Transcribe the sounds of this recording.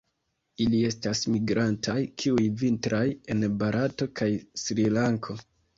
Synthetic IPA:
ilie̞stasmiɡɾantʰajkʰiujvintɾʔaje̞nbaɾʔato̞kajsɾilaŋkʰo̞

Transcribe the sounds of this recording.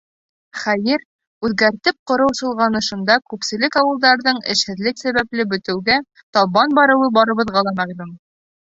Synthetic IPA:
χæjɘɾ | ʉðɡæɾt̪ɘp̚qŏɾɤ̆wsɤ̆lˠʁɑnɤ̆ʃɤ̆nd̪ɑkʉpsɘ̆lɘkɑwɤ̆lˠd̪ɑɾðɤɴɘ̰̆ʃhɘ̆ðlɘksæβæplɘbɵ̆t̪ɘ̆wɡæ | t̪ɒbɑnbɑɾɤ̆wɤbɒɾɤ̆βɤ̆ðʁɑlˠɑmæʁlum

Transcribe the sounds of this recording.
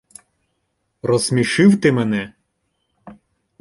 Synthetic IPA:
rɔzmʲiʃɪwt̪ɪmɛnɛ

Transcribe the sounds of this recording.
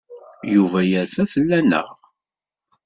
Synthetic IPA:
juvæjəɾfæfəlːænə̰ʁ

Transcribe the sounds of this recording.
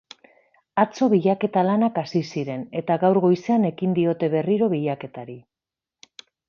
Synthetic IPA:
at͡so̞β̞iʎake̞t̪alanakasisiɾe̞ne̞t̪aɣawɾɣo̞jse̞ane̞kind̪io̞t̪e̞β̞e̞riɾo̞βiʎake̞t̪aɾi

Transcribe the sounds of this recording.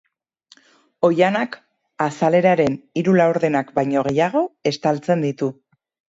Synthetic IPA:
o̞janak | asale̞ɾaɾe̞niɾulawɾðe̞nakbajɲo̞ɣ̞e̞jaɣ̞o̞e̞st̪alt͡se̞nd̪it̪u

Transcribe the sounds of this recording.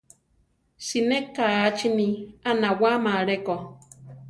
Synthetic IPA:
sinekːaat͡ʃinianawamaɾeko

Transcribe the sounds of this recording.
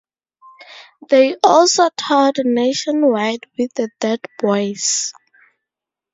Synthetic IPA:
ðejʔɔlsotʰɔdneʃɔ̃nwajdwiθədɛdbɔjz

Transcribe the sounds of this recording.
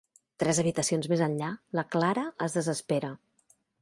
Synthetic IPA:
t̪ɾɛzəβit̪əsionzmezənʎaləklaɾəəzðəzəspeɾə

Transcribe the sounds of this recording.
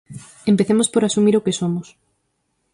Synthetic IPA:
empeθemospoɾasumiɾokesomos

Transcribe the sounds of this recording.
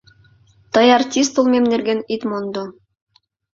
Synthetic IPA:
t̪ɑjartʲist̪ulˠmemnɘ̆ɾɡenit̪mond̪o

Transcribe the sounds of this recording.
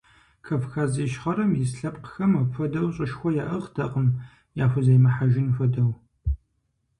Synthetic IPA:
kʰɐfxaːziʃχɐɾɐmjɪsɬɐpʼqxɐmɐfɐdɐwɕʼɪʃxʷɔjaːʔɐʁdʰɐqʼəm | jaːfʷʊzɐjmɐħaʒɪnfɐdɐw

